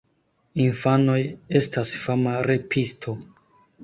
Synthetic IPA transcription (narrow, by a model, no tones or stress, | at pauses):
infano̞je̞stasfamaɾe̞pʰistʰo̞